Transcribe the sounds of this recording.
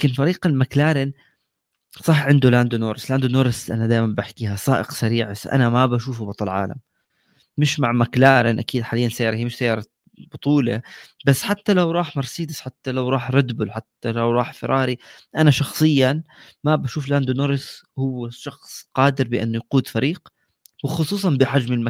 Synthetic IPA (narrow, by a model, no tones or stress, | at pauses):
aːkɪnfaɾiːqalmaklaːɾɪn | sˤɑħʕɪnd̪ulaːnd̪unoːɾɪslaːnd̪unoːɾɪsʔa̰nad̪aːjmanbaħkiːhasˤaːʔɪqsaɾiːʕasʔa̰namabaʃuːfbɑt̪ˤɑlʕa̰ːla̰mː | ɪʃmaʕmaklaːɾɪnʔakiːd̪ħaːlɪjːansajːɑːɾɑhijmɪʃsajːɑːɾˤɑ | bʊt̪ˤuːla̰basːħat̪ːalawɾˤɑːħmɑɾˤsiːd̪ɪsħat̪ːalawɾˤɑːħɾˤɑd̪bʊlħat̪ːalawɾˤɑːħfɪɾˤʔɑːɾi | ʔanaʃɑxsˤɨjːan | mabaʃuːflaːnd̪unoːɾɪshʊwːɪʃɑxsˤqɑːd̪ɪɾbɪʔɪ̰nːʊjquːd̪faɾiːq | wɪxʊsˤuːsˤɑnbɪħad͡ʒmɪlm